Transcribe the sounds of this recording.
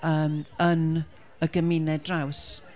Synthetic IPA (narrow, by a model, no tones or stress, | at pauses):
əːmən | əɡəmɪnɛdraws